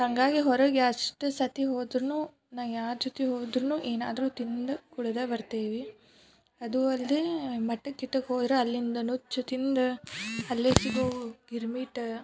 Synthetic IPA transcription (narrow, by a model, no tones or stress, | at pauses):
hɐŋɡaːɡiɦɔɾɐɡɐʂʈɐsɐt̪iɦoːd̪ɾɐnuː | naːjaːɾd͡ʒot̪iɦoːd̪ɾɐnuːʔeːna̰ːd̪ɐɾuːt̪ind̪ɐkuɽɐd̪ɐbɐɾt̪eːʋi | ɐd̪uɐlːemɐʈːɐkːiʈːɐkɦoːd̪ɾeɐlːind̪ɐnut͡ʃːut̪ind̪ɐɐlːeːsiɡoːɡiɾmiːʈ